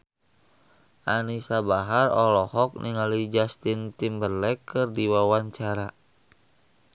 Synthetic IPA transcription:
ʔanisabaɦarɔlɔhɔk̚nʔiŋalid͡ʒast̪int̪imbərlɛkːɨrdiwawaɲt͡ʃaɾa

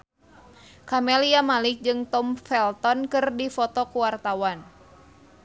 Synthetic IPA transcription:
kamɛliamalɪk̚d͡ʒɨŋt̪ɔmfɛlt̪ɔnkɨrdifɔt̪ɔkuwart̪awan

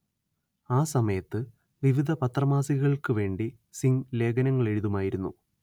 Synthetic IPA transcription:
aːsɐmɐjɐt̪ːɨ | ʋiʋid̪ʱɐpɐt̪rɐmaːsiɣɐɭkɨʋe̞ːɳɖi | siŋle̞ːɡɐnɐŋːɐɭe̞ɻuðumaːjiɾunːṵ

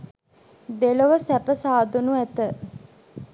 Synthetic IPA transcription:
d̪eləʋəsæpəsaːd̪onuæt̪ə

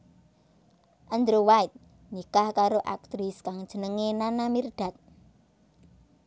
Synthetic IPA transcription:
ʔənd̪ɾowajt̪̚ | nikahkaɾoʔa̰k̚t̪ɾɪskaŋ̥ʒ̥ə̤nəŋenanamird̪̥a̤t̪̚

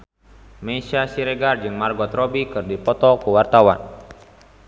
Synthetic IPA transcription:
mɛsasiɾɛɡard͡ʒɨŋmarɡɔt̪rɔbikɨrdipɔt̪ɔkuwart̪awa̰n

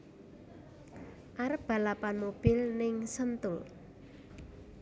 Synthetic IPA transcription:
ʔaɾəb̥a̤lapanmob̥ɪlnɪŋsənt̪ʊl

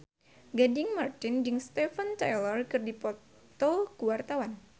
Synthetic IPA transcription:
ɡadɪŋmart̪ɪnd͡ʒɨŋst̪ɛfənt̪ajlɔrkɨrdipɔ | t̪ɔkuwart̪awan

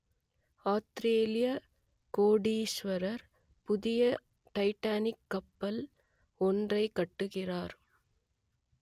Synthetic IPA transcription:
aːst̪ɾeːlɪjɐ | koːɽiːʃʋɐɾɐɾ | pʊðɪjɐ | ʈɐɪʈːaːnɪkːɐpːɐl | ɔndrɐɪkːɐʈːɯɣɪraːɾ

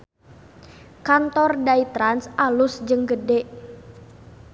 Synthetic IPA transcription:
kant̪ɔrdait̪ɾansʔalʊsd͡ʒəŋɡədɛʔ

